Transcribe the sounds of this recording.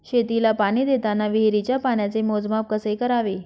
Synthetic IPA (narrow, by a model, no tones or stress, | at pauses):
ɕet̪ilapaɽ̃iːd̪et̪anːaʋiɦɾit͡ɕjapaɳjat͡semod͡zmap̚kəsekəɾaʋe